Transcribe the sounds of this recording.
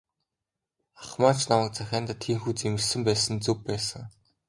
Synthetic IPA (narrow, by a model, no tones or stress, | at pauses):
aχmaːt͡ɕnamə̆k̚t͡sæxʲaːnt̪at̪ʰːiːŋxuːt͡semɘ̆ɮsɘ̆mpæːsə̆nt͡sɵpːæːsə̆ŋ